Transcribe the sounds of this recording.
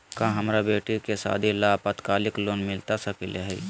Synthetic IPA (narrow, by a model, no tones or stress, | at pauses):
kãːɦəmɾabeːʈikesa̰ːd̪ʱilaːpət̪kaːlɪkloːnmɪlt̪asəkileɦɛ